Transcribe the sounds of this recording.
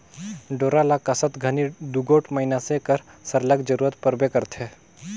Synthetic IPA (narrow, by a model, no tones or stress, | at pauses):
ɖoːɾalakɐsət̪ɡʱənid̪uɡoːʈmɐɦinasekəɾ | səɾləɡd͡ʒəɾuːɾət̪pəɾbekəɾt̪ʰe